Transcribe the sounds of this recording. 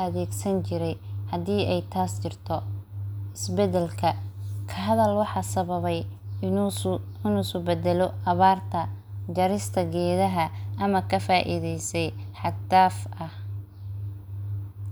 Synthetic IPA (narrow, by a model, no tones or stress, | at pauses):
ɐðɛːɡsɐnt͡ʃɪɾɛjhɐd̪iːɛjt̪ʰaːst͡ʃɪrt̪ʰɔ | ɪsbɛd̪ɛlkʰɐkʰɐɦɐðɐlwɑħɑːsɐβɐβɛj | ɪnuːsʊbɛd̪ɛlɔʔɐβaːrt̪ʰɐ | d͡ʒɐɾɪst̪ʰɐɡɛːðɐɦɐʔɐmɐkʰɐfaːʔɪ̰ðɛjsɛjħɑt̪aːfʔɐh